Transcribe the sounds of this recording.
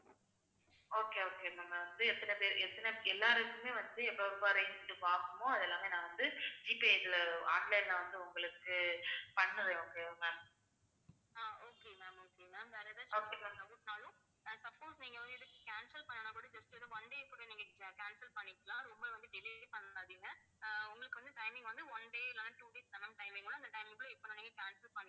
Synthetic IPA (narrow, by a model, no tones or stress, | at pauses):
oːkeoːkeːnɐŋɡɐʋɐnd̪ɯɛt̪ːɐnɐpeːɾɛt̪ːɐnɐɛlːaːɾɐkːɯmeːʋɐnd̪ɯɛpːoɾʊmbaɾɐɪnʈːɯpaːɾkɯmõɐðɛlːaːmeːnãːʋɐnd̪ɯd͡ʒiːpiɛslɐa̰ːɳɖlɐɪnlɐʋɐnd̪ɯʊŋɡɐɭɯkːɯpɐɳːɯɾẽoːkeːomɐ | aːoːkeːmɛːɐmoːkemɛmʋaːɾɐðãːt͡ʃoːkeɐ̃ɐɡuʈnaːɭʊ̃ | sɐb̚koːsniːŋɡɐʋɐnd̪ɯɛðɯkːɯ̥kaːnsɐlpɐɳːɐnãkuːɽɐd͡ʒɐt͡ʃːɯɪðɯʋɔɳɖeːkːuɽɐniːŋɡɐkaːnsɐlpɐɳːɪkːɐlãːɾɔmbɐʋɐnd̪ɯɖɪlipɐɳːaːðiːŋɡɐ | ʊŋɡɐɭɯkːɯʋɐnd̪ɯʈɐɪmɪ̃ŋɡʋɐnd̪ɯɔɳɖeːɪlːaːʈuːɖeːsɐnɐmʈɐɪmʋeːŋɡɐɭãːɐnd̪ɐʈɐɪmɪ̃ŋɡɐl̃ɪpːonãːniːŋɡɐkaːnsɐlpɐnːɪ̃